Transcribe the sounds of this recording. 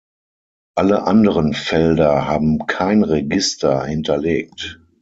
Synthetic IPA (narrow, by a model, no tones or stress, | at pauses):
ʔaləʔandəʁənfɛldɐhaːbm̩kʰaɪnʁeɡɪstɐhɪntʰɐleːk̚t